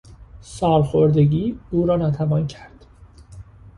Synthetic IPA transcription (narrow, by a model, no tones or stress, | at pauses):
sɒːɾxoɾd̪eɟiːuːɾɒːnɒːt̪ʰævɒːncʰæɾd̪̥